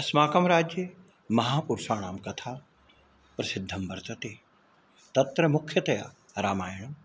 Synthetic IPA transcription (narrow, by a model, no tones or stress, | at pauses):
ɐsmaːkɐmɾaːd͡ʒjə | mɐɦaːpuɾsaːɽ̃aːmkɐt̪ʰaː | pɐɾsɪd̪ʱːɐmbɐɾt̪ɐt̪e | t̪ɐt̪ɾɐmʊkʰjət̪ɐja̰ː | ɾaːmaːɪɽ̃